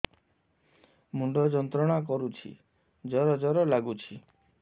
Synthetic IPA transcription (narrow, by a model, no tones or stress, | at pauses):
muɳɖɔd͡ʒɔnt̪ɾɔɽ̃akɔɾut͡ʃʰḭ | d͡ʒɔɾɔd͡ʒɔɾɔlaɡut͡ʃʰi